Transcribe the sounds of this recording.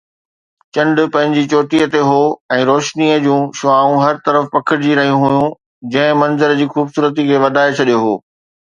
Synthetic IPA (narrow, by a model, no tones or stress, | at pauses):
t͡ɕɐ̃ɳɖʊpɐ̃ɦɪ̃ɲd͡ʑit͡ɕoːʈiət̪eɦoːɛ̃ːɾoːʃniəd͡ʑũːʃʊaːũɦɐɾt̪ɐɾəfpɐkʰəɽd͡ʑiɾɐɦijũɦujũ | d͡ʑɐ̃ɦɪ̃mɐ̃nzəɾd͡ʑiːxuːbsuːɾət̪ikʰeːʋɐd̪ʱaːet͡ɕʰɐɗijoɦoː